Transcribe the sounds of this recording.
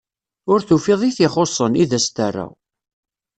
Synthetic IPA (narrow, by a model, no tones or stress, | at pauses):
ʊɾθufɪðˤiθɪχosˤːəniðæst̪ərˤːa̰